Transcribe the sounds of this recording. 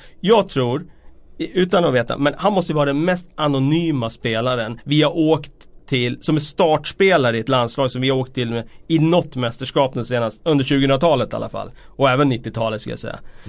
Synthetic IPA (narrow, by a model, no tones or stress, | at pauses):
jɑːɡt̪ʰɾuːɾ | ʉ̟ːt̪anɔveːt̪a̰mɛnhanmɔst̪əjəvɑːɾad̪ɛnmɛst̪anʊnyːmaspeːlaɾənvɪhaɾʔoːkt̪ʰːɪlsɔmɛnst̪ɑːʈʂpeːlaɾəɪɛt̪lanslɑːɡsɔmvɪhaɾoːk̚t̪ʰːɪlːmeɪnɔt̪ːmɛst̪əʂkɑːp̪̚ənseːnast̪ɵnd̪əɾʂʉ̟ɡəɵnɾat̪ʰɑːlət̪a̰lːa̰fa̰lː | ɔɛːvənːɪt̪ːɪt̪ʰɑːlət̪skɵlj̰a̰sɛ̰jːa̰